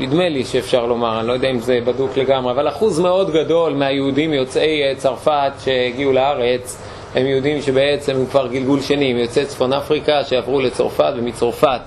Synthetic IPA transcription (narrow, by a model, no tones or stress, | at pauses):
id̪meliʃeːfʃaʁlo̞maʁanilojodeaimzebadukle̞ɡamʁe̞avalaχuzme̞o̞d̪ɡado̞lmeajehudimjo̞t͡se̞jt͡saʁfat̪ʃe̞eɡiuleaʁe̞t͡s | emjeud̪imʃe̞be̞et͡se̞mhukvaʁɡilɡulʃanimjo̞t͡set͡sfonafʁikaʃejavʁule̞t͡so̰ʁfat̪vemit͡soʁfat̪